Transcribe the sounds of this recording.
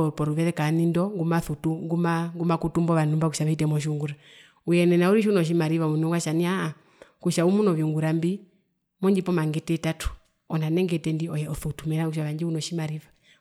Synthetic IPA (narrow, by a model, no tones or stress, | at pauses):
pɔɾuβɛðɛkanindɔŋɡumaθutuŋɡumaŋɡumakutumbɔβanumbakuʃaβɛitɛmɔʃ̬uŋɡuɾa | ujɛnɛnauɾiʃunɔʃ̬imaɾiβamunuŋɡwaʃaniaː | kuʃaumunɔviuŋɡuɾambi | mɔɲd͡ʒipɔmaŋɡɛtɛtatu̥ | ɔnanɛŋɡɛtɛndiɔjɛɔθutumɛnakuʃ̬aβaɲd͡ʒiunɔʃimaɾiva